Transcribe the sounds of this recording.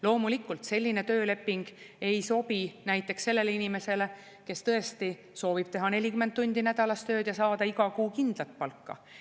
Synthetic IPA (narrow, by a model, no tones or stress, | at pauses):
lo̞ːmulikːˑult̪se̞lʲːine̞t̪ø̞ːle̞pːiŋɡ̥e̞jso̞pinæjt̪ːˑe̞ksse̞lːe̞leinime̞se̞le̞ | ke̞st̪ɤest̪i | so̞ːvib̥̚t̪e̞ɦɑne̞lʲikymːent̪t̪ːunʲd̪̥inæd̪̥ɑlɑst̪ø̞ːd̪̥jɑsɑːd̪̥ɑiɡɑkuːkind̪̥lɑt̪̚pɑlkːɑ̰